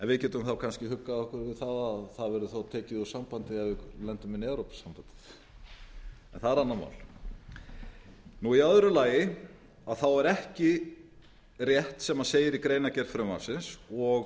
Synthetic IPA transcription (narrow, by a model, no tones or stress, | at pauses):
ɛnvɪðcɛːt̪ʏmθawkʰanscɪɦʏkːaðɔhkʏɾvɪðθaðaðθaðvɛɾðʏθot̪ʰɛːcɪðɔsampant̪ɪavɪlɛnt̪ʏmɪnɛwɾowpsampant̪ɪ̥θ | ɛnθaðɛɾanːama̰wl | nuiaðʏɾʏlaːjɪ | aðθawɛɾɛhcɪ | rjɛht̪sɛmaseːjɪɾikɾeːjnacɛɾ̥fɾʏma̰fsɪnsɔɣ